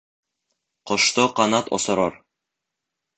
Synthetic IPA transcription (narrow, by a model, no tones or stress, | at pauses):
qŏʃt̪oqɑnɑt̪o̰sŏɾɑɾ